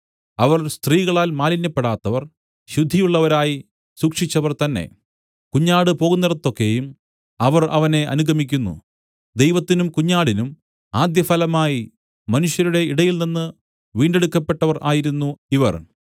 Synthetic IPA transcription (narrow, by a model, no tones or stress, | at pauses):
ɐʋɐrst̪riːɣɐɭaːlmaːlinːɐpːeɽaːt̪ːɐʋɐr | ɕud̪ʱːijuɭːɐʋɐɾaːji | suːkʂit͡ɕːɐʋɐrt̪ɐnːe̞̰ | kuɲːaːɽɨpo̞ːɣunːɐɾɐt̪ːo̞kːe̞jum | ɐʋɐrɐ̰ʋɐne̞ʔɐ̰nuɡʱɐmikʲːunːṵ | d̪e̞jʋɐt̪ːinumkuɲːaːɽinum | aːd̪jɐfɐlɐmaːji | mɐnuɕjɐɾuɽe̞iɽɐjilninːɨ | ʋiːɳɖe̞ɽukːɐpːe̞ʈːɐʋɐrʔaːjiɾunːuiʋɐ̰r